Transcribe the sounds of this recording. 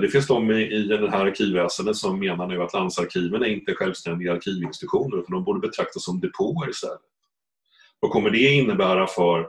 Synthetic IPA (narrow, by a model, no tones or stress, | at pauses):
d̪ɛfɪnsd̪ɔmːɪɪnɛɦæːɾaɾkʰiːvːɛːsənd̪ət̪sɔmːeːnaɳʉat̪land̪saɾkʰiːvəɳæɾɪnt̪əɧɛlvst̪ɛnd̪ɪɡaːɾkʰiːvɪnsɪt̪ɧuːnəɾʉ̟t̪anɔmbuːɖəbɛt̪ʰɾak̚t̪asːɔmd̪ɛpʰoːəɾɪst̪ɛ̰lːət̪ | vakʰɔmːəɖɛɪnːəbæːɾafœɾ